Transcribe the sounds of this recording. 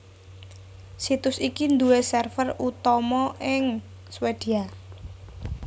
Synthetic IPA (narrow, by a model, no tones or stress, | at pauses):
sit̪ʊsikind̪uesɛrfərut̪ɔmɔʔɪŋ | swed̪̥i̤a